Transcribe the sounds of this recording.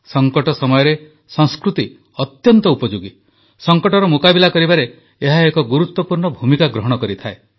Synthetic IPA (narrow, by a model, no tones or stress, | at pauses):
sɔŋkɔʈɔsɔmɔjɔɾe | sɔŋskɾut̪i | ɔt̪jɔnt̪ɔupɔd͡ʒuɡi | sɔŋkɔʈɔɾɔmukabilakɔɾibaɾeː | ɦaekɔɡuɾut̪wɔpuɾɳɔbʱumikaɡɾɔɦɔɽ̃ɔkɔɾit̪ʰae